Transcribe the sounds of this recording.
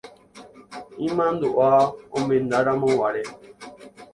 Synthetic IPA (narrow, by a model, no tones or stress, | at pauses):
ĩmãnd̪uʔaombend̪aɾamõwaɾɛ